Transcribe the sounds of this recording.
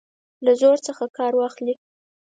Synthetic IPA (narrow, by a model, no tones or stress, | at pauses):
lazoɾt͡səxakɑɾwɑxli